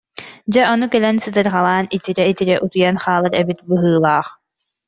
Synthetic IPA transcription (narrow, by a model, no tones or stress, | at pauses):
d͡ʑɛʔɔnukɛlɛnsɯt̪ɯɾʁalˠaːnit̪iɾɛit̪iɾɛʔut̪ujanχaːlˠaɾɛbit̪̚bɯɦɯːlˠaːχ